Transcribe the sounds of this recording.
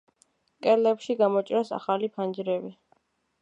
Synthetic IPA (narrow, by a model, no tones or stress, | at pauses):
kʼɛɾlɛpʃiɡamɔt͡ʃʼɾasa̰χalipʰand͡ʒɾɛbi